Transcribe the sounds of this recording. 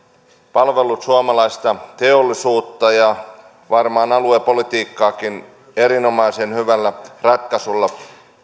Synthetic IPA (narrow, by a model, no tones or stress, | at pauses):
pɑlʋe̞lˑut̪suɑmɑlɑist̪ɑt̪eolːisuːt̪ːɑjɑ | ʋɑrmɑːnɑluepo̞lit̪iːkːɑːkin | e̞ɾino̞mɑjsenhyʋælːærɑt̪̚kɑsulːɑ